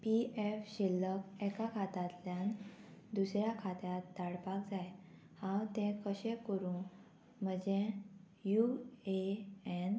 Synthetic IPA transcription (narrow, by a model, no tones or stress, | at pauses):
piefɕilːəkɛkakʰat̪at̪ljãnd̪usɾjakʰat̪jat̪̚d̪aɽpak̚d͡zaj | hãwt̪ɛ̃kəɕẽkəɾũ | m̤əd͡ʑẽ | jueɛn